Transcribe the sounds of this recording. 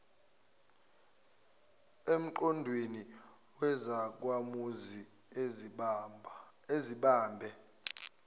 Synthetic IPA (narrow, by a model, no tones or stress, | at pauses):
em̩ǃɔndʱweni | wɛzak̬wamuzi | eziɓaːmbʱɛ